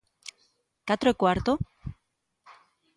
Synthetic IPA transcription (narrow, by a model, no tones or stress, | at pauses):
kat̪ɾoekoaɾt̪o